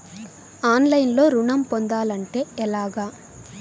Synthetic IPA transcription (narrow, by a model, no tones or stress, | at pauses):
aːnlɐjnlo̞ːɾuɳɐmpond̪aːlɐɳʈe̞ːɛlaːɡaː